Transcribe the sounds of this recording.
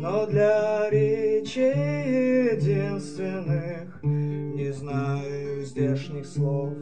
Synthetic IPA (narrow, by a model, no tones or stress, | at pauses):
nod̪lʲɐɾʲɪt͡ɕejɪdʲinst̪vʲɪnːɨxnʲɪznajʊzʲdʲeʂnɨxslˠof